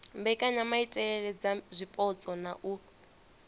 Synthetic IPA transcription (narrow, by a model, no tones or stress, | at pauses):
mbɛkʼaɲamaitʼɛɺɛd͡zazʷipʼɔt͡sʼɔnaʔu